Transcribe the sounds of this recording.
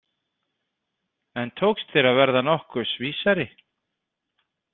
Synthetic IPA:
ɛnt̪ʰoːwkst̪θɪɾaðvɛɾðanɔhkʏɾ̥sviːsaɾɪ

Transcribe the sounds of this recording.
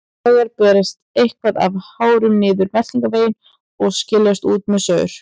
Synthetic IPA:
aɣaɾpɛːɾɪst̪ejhkvaða̰vhaːwɾʏmnɪːðʏɾmɛt̪iŋkaveːjɪn | ɔɣscɪlːɛst̪uːt̪mɛðsœːɾ̥

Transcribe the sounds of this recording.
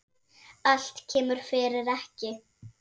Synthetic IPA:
al̥t̪cʰɛːmʏɾ̥fɪːɾɪɾɛhcɪ

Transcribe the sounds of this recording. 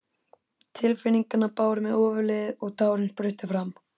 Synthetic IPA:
t̪ʰɪlfɪniŋkanːapaːwɾʏmɛðɔːvʏlɛðɔɣt̪aːwɾʏnpɾʏɥht̪ɪfɾam

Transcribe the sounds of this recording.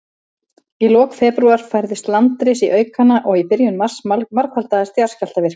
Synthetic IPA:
ilɔːkfɛːpɾuaɾ̥fajɾðɪst̪lant̪ɾɪsiʔœːɥkanaʔɔɣipɪɾjʏnmar̥samaɾkvalt̪aðast̪jaɾ̥scal̥t̪avɪr̥k

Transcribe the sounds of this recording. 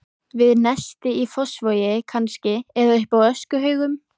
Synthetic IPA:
vɪðnɛst̪ɪifɔsvɔːjɪkʰanscɪɛðaʏhpawœskʏɦœːɥɣʏm

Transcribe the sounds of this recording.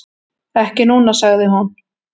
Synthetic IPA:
ɛhcɪnuːnasaɣðɪɦɔn

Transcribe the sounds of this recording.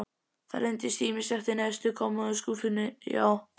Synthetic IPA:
θa̰ɾɛjnt̪ɪst̪iːmɪsɛft̪ɪnɛst̪ʏkʰɔmːaðʏskuːfɪnːɪja̰ːw

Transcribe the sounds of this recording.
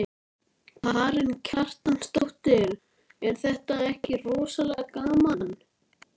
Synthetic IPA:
pʰaɾɪncʰar̥t̪anst̪owht̪ɪɛɾ | ɛnθɛht̪aɛhcɪrɔːsalɛɣkaːmanː

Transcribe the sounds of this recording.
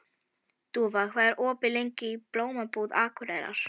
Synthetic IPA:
t̪uvakʰvaːðɪɾʔɔːpɪlejɲcɪiploːwmapuːðaːkʰɔɾɛːɾa̰ɾ̥

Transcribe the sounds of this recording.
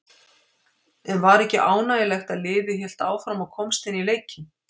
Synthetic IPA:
ɛnvaɾɛhcɪʔaːwnaːjɪlɛxt̪aðlɪːvɪçɛl̥t̪aːwfɾamaðkʰɔmst̪ɪnileːjcɪn

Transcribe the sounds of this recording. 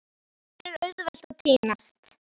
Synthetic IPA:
ɾɛɾœɥðvɛl̥t̪at̪ʰiːnast̪

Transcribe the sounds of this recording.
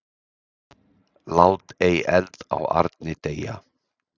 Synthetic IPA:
laːwt̪ejɛlt̪a̰wa̰ɾt̪nɪt̪eːja̰

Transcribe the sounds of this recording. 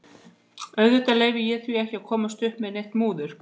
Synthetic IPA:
œɥðɪt̪aleːjvɪjɛθviɛhcɪaðkʰɔːmast̪ʏhpmɛðnejht̪muːðʏɾ̥

